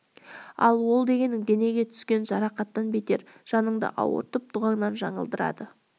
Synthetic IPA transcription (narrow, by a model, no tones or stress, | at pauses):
ɑ̰lˠwo̞lˠd̪e̞ɡʲe̞nɪŋd̪e̞ne̞ɡʲe̞t̪ʰʏ̥skʲe̞nʒɑɾɑqɑt̪ːɑnbe̞t̪e̞ɾ | ʒ̥ɑnəɴd̪ə̰ʔɑ̰wə̰ɾt̪əp̚t̪ʰʊʁɑŋnɑnʒɑɴəlˠd̪əɾɑ̰d̪ə